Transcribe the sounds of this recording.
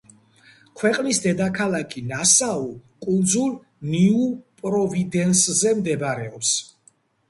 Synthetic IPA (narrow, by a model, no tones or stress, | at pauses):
kʰwɛqʼnisd̪ɛd̪akʰalˠakʰinasaukʼund̪zulˠ | niupʼɾɔvid̪ɛnszɛmd̪ɛbɾɛɔps